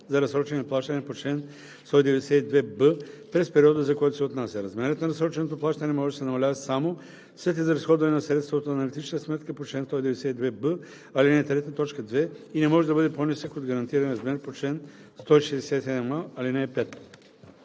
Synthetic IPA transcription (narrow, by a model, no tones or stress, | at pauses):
zɐɾɐsɾɔt͡ʃɛnɛnplˠaʃt̪ɐnɛpot͡ʃlɛn | st̪ɔid̪ɛvɛd̪ɛsɛid̪vɛbəpɾɛspɛɾiɔd̪əzɐkoɔjt̪ʊsɛot̪nasʲɐɾɐzmɛɾət̪nɐɾɐsɾɔt͡ʃɛnot̪oplˠaʃt̪ənɛmɔʒɛd̪ɐsɛnɐmɐlʲavɐsamo | sɛt̪̬ɛzɐɾɐsxɔd̪vɐnɛnɐsɾɛt̪st̪vot̪oɐnɐlit̪it͡ʃnt̪əsmɛt̪kəpot͡ʃlɛnst̪ɔid̪ɛvɛd̪ɛsɛid̪vɛbə | alinɛt̪ɾɛt̪ət̪ɔt͡ʃkəd̪vɛinɛmɔʒɛd̪ɐbɤd̪ɛponisəkod̪ɡɐɾɐnt̪iɾɐnɾɐzmɛɾpot͡ʃlɛn | st̪ɔiʃɛd̪ɛsɛsɛd̪ɛmaalinɛpɛt̪